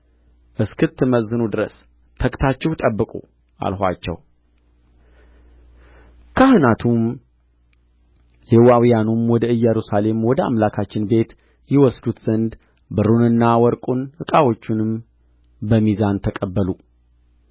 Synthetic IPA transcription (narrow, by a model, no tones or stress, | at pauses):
ʔɨskʰɨt̪ːɨməzːɨnud̪ɨɾəs | t̪ʰəkʼt̪ʰat͡ʃːɛwt̪ʼəbːɨkʼṵ | ʔa̰lhʷa̰t͡ʃːɛ̰w | kʰahɨnat̪ʰum | lewawijanumwɔd̪əɨjɛɾusale̞mwɔd̪əa̰mlakʰat͡ʃːɪnbe̞t̪ | jɪwɔsd̪ut̪z̥ənd̪ | bɨɾunɨnːawɔɾkʼunhɨkʼawo̞t͡ʃːunɨm | bəmizant̪ʰəkʼəbːəlu